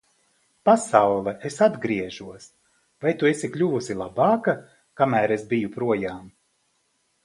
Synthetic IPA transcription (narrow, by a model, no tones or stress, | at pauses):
pasawlˠɛʔesad̪ɡɾiɛʒuɔs | vajt̪uesiklʲuvusilˠabɑːka | kamæːɾesbijupɾuɔjaːm